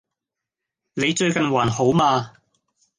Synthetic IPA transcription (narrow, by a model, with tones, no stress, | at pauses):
ne˨˧jt͡ʃɵ˧ɥkɐ˨nwaː˨˩nho˨˥wmaː˧